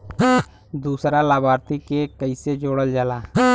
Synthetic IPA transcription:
d̪uːsɾalaːbaːɾt̪ikekəɪsed͡ʒoːɽəld͡ʒəlaː

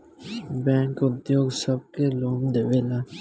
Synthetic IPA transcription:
bɛ̃ːŋkʊd̪joːɡsəb̚keloːmd̪eːʋeːlaː

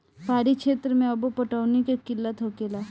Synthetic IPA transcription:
paːɾikʃeːt̪ɾəmẽɐbopəʈaːʊnikekɪlːət̪ɦokeːlaː

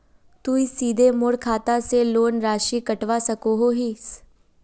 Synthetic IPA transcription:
t̪uːisiːd̪ʱemʊɽkʰaːt̪aseloːnɾaːʃiːkəʈʋasəkoɦoːɦiːs

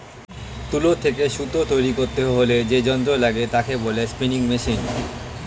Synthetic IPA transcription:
t̪ulot̪ʰekeʃut̪ot̪ojɾikoɾt̪eɦoled͡ʑed͡ʑɔnt̪̬ɾolaɡet̪akebolespiniŋmeʃin

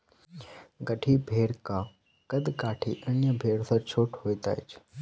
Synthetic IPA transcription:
ɡəʈʰibʱeːɽka | kɐd̪kaːʈʰḭːʔənjəbʱeːɽsəɾt͡ʃʰoːʈʰɦoːit̪a̰ːḛt͡ʃʰ

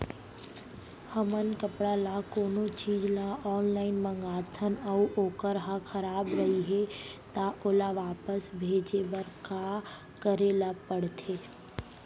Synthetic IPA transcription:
həmənkəpɽalakoːnot͡ʃiːd͡ʒlaɔːnlaːɪnmə̃ŋɡaːt̪ʰənəuʔoːkəɾɦãkʰəɾaːbɾəɦiɦɛt̪aʔoːlaʋaːpəsbʱeːd͡ʒebəɾka | kəɾeːlapəɽt̪ʰeː

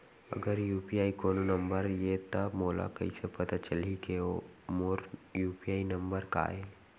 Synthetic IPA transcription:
ə̰ɡəɾjuːpiaːikoːnonə̃mbəɾjet̪ɐmoːla̰kɐ̰isepɐt̪at͡ʃəlikeomoːɾjuːpiaːinəmbəɾka̰ːe

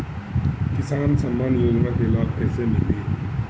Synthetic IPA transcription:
kɪsaːnsəmːaːnjoːd͡ʒnakelaːlɛːsemeli

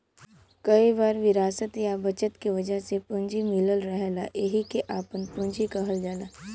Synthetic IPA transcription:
kɐibaːɾʋɪɾaːsət̪jabɐt͡ʃət̪kiʋɐd͡ʒəɦsepʊ̃ɲd͡ʒimɪləlɾɛɦlaʔeɦikeʔaːpənpʊ̃ɲd͡ʒikɐɦəld͡ʒaːlaː

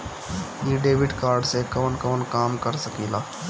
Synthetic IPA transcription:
iɖeːʋɪɖkaːɾɖsekɔːnkɔːnkaːmkəɾsəkiːlaː

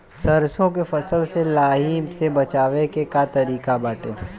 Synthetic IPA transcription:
sɐɾsõkefɐsəlselaːɦimsebɐt͡ʃaːʋekekat̪ɐɾiːkabaːʈḛː

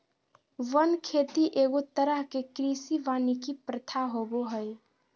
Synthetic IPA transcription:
ʋənkʰet̪iʔeɡot̪əɾəɦkekɾisiʋanikipɾət̪ʰaɦoboɦəj

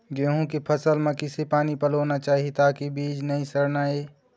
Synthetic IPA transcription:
ɡeɦũkipʰɐsəlmẽkɪsepaːnipɐloːnat͡ʃaːɦiet̪aːkibiːd͡ʒnɐɦĩsɐɾnaːeː

